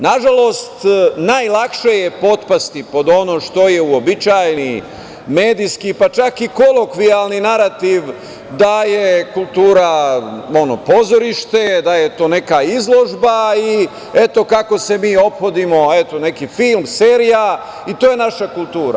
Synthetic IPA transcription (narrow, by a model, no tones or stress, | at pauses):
naʒalo̞st̪naːjlˠakʃejepo̞t̪past̪ipo̞d̪o̞nomʃt̪o̞je̞uobit͡ʃaːjni | me̞ːd̪ijskipat͡ʃakiko̞lˠo̞kʋialninaɾat̪iʋ | d̪aje̞kulˠt̪uːɾao̞no̞po̞zo̞ɾiʃt̪e̞d̪aje̞t̪o̞ːne̞kaizlˠo̞ʒbai | e̞t̪o̞kako̞se̞miːo̞pxo̞d̪imo̞et̪o̞ne̞kifilmseːɾija | it̪oːjenaʃakulˠt̪uːɾa̰